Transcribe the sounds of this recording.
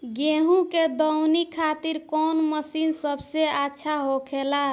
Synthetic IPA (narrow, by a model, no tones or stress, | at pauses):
ɡeɦũked̪əwnikʰːat̪iɾkɔnməsinsəbseatːʃʰaɦokʰela